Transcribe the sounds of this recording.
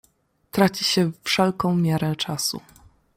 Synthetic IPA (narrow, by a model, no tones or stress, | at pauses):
t̪ɾat͡ɕiɕɛfʂɛlkɔ̃w̃mʲjɛɾɛ̃t͡ʂasṵ